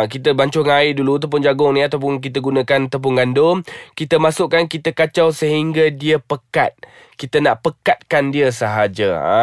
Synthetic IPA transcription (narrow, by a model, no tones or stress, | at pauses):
k̬it̪əbaɲt͡ʃʊŋaɪdulut̪̬ap̬ʊnd͡ʒaɡʊŋnĩat̪awp̬ʊnk̬it̪əɡunãkanat̪awp̬ʊnɡandʊmkit̪əmasʊʔkankit̪əkat͡ʃawsəɦiŋɡadiəpəka̰t̪̚ | kit̪ənaʔpəkat̪̚kandiəsəɦad͡ʒa̰a̰